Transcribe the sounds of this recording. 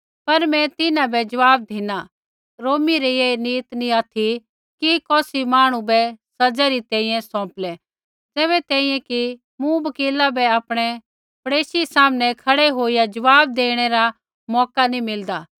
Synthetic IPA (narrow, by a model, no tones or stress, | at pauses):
pɐɾmɛ̃t̪ɪnãbɛd͡ʒɐʋaːb̚d̪ʱɪna | ɾoːmiɾɛjeniːt̪nĩaːt̪ʰi | kikɔːsimaːɽ̃ũbɛsɐd͡ʒaɾit̪ɛ̃ːĩjɛ̃sɔ̃ːplɛ | d͡zɛːβɛt̪ɛ̃ːĩjɛ̃ki | mũbɐkiːlabɛaːpɽ̃ɛ | pɐɽeːsisaːmnɛkʰɐɽɛɦoːijad͡ʒɐʋaːb̚d̪eːɽ̃ɛɾa | mɔːkanĩmɪld̪aː